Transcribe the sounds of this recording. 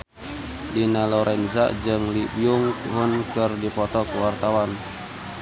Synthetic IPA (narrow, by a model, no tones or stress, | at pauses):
dinalɔɾʔɛnza̰d͡ʒɨŋlibiuŋɦʊnkɨrdipɔt̪ɔkəwart̪awan